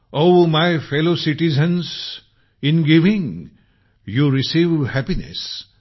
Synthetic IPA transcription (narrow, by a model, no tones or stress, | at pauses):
oʊmaɪfelosiʈizə̃ns | ɪ̃nɡiʋɪ̃ŋ | juɾisiʋhæpinḛs